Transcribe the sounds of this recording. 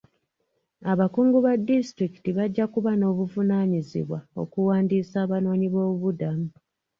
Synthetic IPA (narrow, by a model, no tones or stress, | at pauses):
aβakuːŋɡuβadːistɾiki̥tiβaɟːakuβano̞ːβuvunaɲizḭβwao̞̰kuwaːndiːsaːβano̞ːɲiβo̞ːβuβudamu